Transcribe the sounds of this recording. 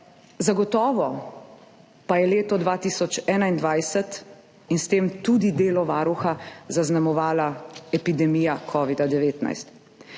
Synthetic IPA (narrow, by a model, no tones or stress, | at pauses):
zaɡɔt̪ɔːʋɔ | pajɛleːt̪ɔd̪ʋaːt̪iːsɔt͡ʃɛːnaind̪ʋajsɛt̪ | inst̪eːmt̪uːd̪id̪eːlɔʋaːɾuxazaznamɔʋaːlaɛpid̪ɛmiːjakʰɔːʋid̪ad̪ɛʋeːt̪na̰jst̪